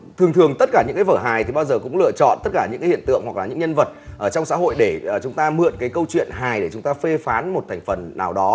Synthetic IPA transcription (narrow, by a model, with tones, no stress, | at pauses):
t̪ʰɨ˨˩əŋt̪ʰɨ˨˩əŋt̪ə˦˥t̚kaː˧˩ɲɨ̰˧˥ŋkːaː˨˦vəː˧˩ɦaː˨˩jt̪i˨˩ɓaː˧wzəː˨˩kʊ̰˧˥ŋ͡mlɨ̰˧ət͡ɕɔ̰˧˨nt̪ə˦˥t̚kaː˧˩ɲɨ̰˧˥ŋkːa˨˦hḭ˧˨ənt̪ɨ̰˧˨əŋhwa˨˩k̚laː˨˩ɲɨ̰˧˥ŋɲə˧nvə˨˩t̚ʔəː˧˩t͡ɕɔ˧wŋ͡msa̰ː˧˥ɦo̰˧˨jɗe˧˩˨t͡ɕʊ˨˦ŋ͡mt̪aː˧mɨ̰˧˨ənkaː˨˦jkə˧wt͡ɕwḭ˧˨ənɦaː˨˩jɗe˧˩t͡ɕʊ˨˦ŋ͡mt̪aː˧fe˧faː˨˦nmo˨˩t̚t̪ʰɛ˨˩ŋ̟fə˨˩nːaː˨˩wɗɔ˨˦